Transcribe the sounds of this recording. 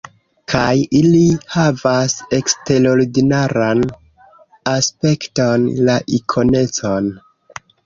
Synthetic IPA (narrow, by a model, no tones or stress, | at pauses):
kʰajilihavase̞kste̞ɾo̞ɾidinaɾan | aspe̞ktonlaʔikʰo̞ne̞t͡so̞n